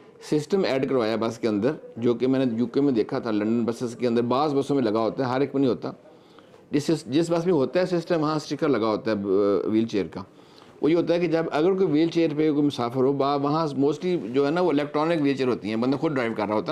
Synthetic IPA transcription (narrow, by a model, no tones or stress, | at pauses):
sɪsʈəmɛːɖkəɾʋaːjabɐskeə̃nd̪əɾd͡ʒoːkemɛ̃ːnẽjuːkemẽd̪eːkʰat̪ʰalə̃ɳɖənbəsɪskeə̃nd̪əɾbaːzbɐsõmẽlɐɡaɦoːt̪aɦɛɦəɾɪk̚ənĩːɦoːt̪aː | d͡ʒɪsɪsd͡ʒɪsbɐs̬mẽɦoːt̪aɦɛsɪsʈəmʋɐɦãsʈɪkəɾlɐɡaɦoːt̪aɦɛʋiːlt͡ʃeːəɾkaː | o̰ːjeːɦoːt̪aɦɛked͡ʒəbɐɡəɾk̬oːiʋiːlt͡ʃeːəɾpekoimʊsaːfʰəɾɦoːbaːʋɐɦãmoːsʈlid͡ʒoːɦɛːnaʋoːɪlɛːk̚ʈɾɔːnɪkʋieːt͡ʃəɾɦoːt̪iɦɛ̃ːbənd̪axʊd̪ɖɾaːɪʋkɐɾːaːɦoːt̪a